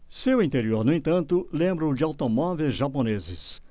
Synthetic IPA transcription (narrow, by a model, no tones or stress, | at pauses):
sewĩnt̪eɾioɾnʊẽt̪ɐ̃nt̪ʊlẽmbɾʊd͡ʒɪawt̪omɔvejzʒaponezɪ̰s